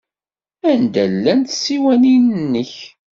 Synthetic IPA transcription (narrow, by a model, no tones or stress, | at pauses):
ænd̪ælːænt̪siwæninnːəç